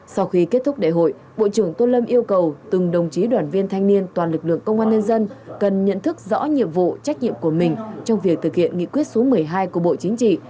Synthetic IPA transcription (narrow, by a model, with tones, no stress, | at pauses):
sɔ˧wxi˧ke˦˥t̚t̪ʰʊ˦˥k͡p̚ɗḛ˧˨ɦo̰˧˨j | ɓo̰˧˨t͡ɕɨ˧˩əŋt̪o˧lə˧mʔi˧əwkə˨˩wt̪ɨ˨˩ŋɗə˨˩wŋ͡mt͡ɕi˨˦ɗwaː˨˩nvi˧ənt̪ʰa˧jŋ̟ni˧ənt̪waː˨˩nlɨ˨˩k̚lɨ̰˧˨əŋkə˧wŋ͡mʔaː˧nɲə˧nzə˧nkə˨˩nɲə̰˧˨nt̪ʰɨ˦˥k̚zɔ̰˧˥ɲḭ˧˨əmvṵ˧˨t͡ɕa˦˥k̟̚ɲḭ˧˨əmku˧˩əmï˨˩ŋ̟t͡ɕɔ˧wŋ͡mvi˨˩ək̚t̪ʰɨ˨˩k̚hḭ˧˨ənŋḭ˧˨kwi˦˥ət̚so˨˦mɨ˨˩əjɦaː˧jku˧˩əɓo̰˧˨t͡ɕi˨˦ŋ̟t͡ɕḭ˧˨